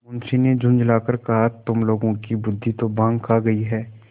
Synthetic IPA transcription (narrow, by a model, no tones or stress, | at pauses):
ʊnsined͡ʒʱʊ̃nd͡ʒlaːkəɾkɐɦat̪ʊmloːɡõkibʊd̪ʱːit̪obãːŋɡkʰaːɡɐiɦɛː